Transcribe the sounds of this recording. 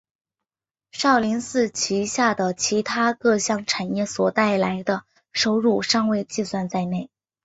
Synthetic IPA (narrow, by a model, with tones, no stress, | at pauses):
ʂɑ˥˩ʊli˧˥nsɹ̩˥˩t͡ɕʰi˧˥ɕja˥˩d̪ə˩t͡ɕʰi˧˥t̪ʰa˥kɤ˥˧ɕjɑ˥˩ŋʈ͡ʂʰa˨˩njɛ˥˩swɔ˨˩t̪a˥˩ɪla˧˥ɪd̪ə˧ | ʂo˥ʊɻu˥˩ʂɑ˥˧ŋwe˥˧ɪt͡ɕi˥˧swa˥˧nt͡sa˥˧ɪne˥˩ɪ